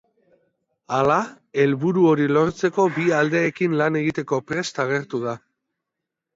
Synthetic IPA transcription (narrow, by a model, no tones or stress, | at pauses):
ala | e̞lβuɾuo̞ɾilo̞ɾt͡se̞ko̞biald̪e̞ːkinlane̞ɣ̞it̪e̞ko̞pɾe̞st̪aɣ̞e̞ɾt̪uð̞a